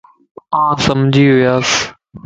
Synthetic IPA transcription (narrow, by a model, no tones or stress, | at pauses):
ãːsɐmd͡ʒʱiɦʊjaːs